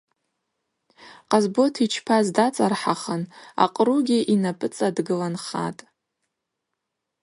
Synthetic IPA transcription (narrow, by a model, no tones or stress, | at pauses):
qʼazbo̞tʰit͡ʃʰpʰazdat͡sʼarħaχəna̰qʼruɡʲiʔinapʼɨt͡sʼadɡɨlanχa̰tʼ